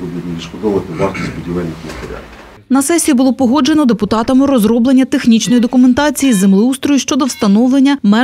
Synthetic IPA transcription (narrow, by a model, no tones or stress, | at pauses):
ɔd̪ʲid̪ʲʋʲiʃkɔd̪ɔʋɐt̪ɪd̪ɑɾt̪ɐzbʊdʲilɛnʲːixit̪eɾʲa̰t̪ | nɐsɛsʲibʊlˠɔpɔɦɔd͡ʒe̞nɔd̪epʊt̪ɑt̪ɐmɪɾɔzɾɔblˠenʲːɐt̪exnʲit͡ʃnɔjid̪ɔkʊment̪ɑt͡sʲijizemlˠɪust̪ɾɔjuʃt͡ʃɔd̪ɔwst̪ɐnɔʋlˠenʲːɐmɛ